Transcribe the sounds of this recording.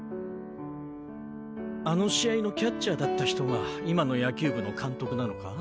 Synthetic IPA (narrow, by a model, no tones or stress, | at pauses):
ano̞ɕiaino̞kʲat͡ɕɕaːd̪at̪ːaçi̥t̪o̞ɡaimano̞jakʲɨːbɯ̟no̞kʰãnt̪o̞kɯ̟nano̞ka̰